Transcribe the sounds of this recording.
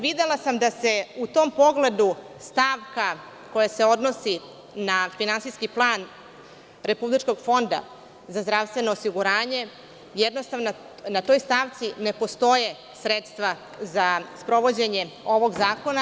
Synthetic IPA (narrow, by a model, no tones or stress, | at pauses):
ʋid̪e̞lˠasamd̪ase̞ut̪o̞ːmpo̞ɡle̞d̪u | st̪aːʋka | ko̞jase̞o̞d̪no̞si | nafinansiskiplˠaːn | ɾe̞publit͡ʃko̞ɡfo̞nd̪a̰ | zazd̪ɾaʋst̪ʋe̞no̞ːsiɡuɾaːɲe̞ | jed̪no̞st̪aʋno | nat̪o̞ːjst̪aːʋt̪sine̞po̞st̪o̞je̞ | sɾet̪st̪ʋa | zaspɾo̞ʋo̞d͡ʑe̞ɲe̞o̞ʋo̞ɡzaːko̞na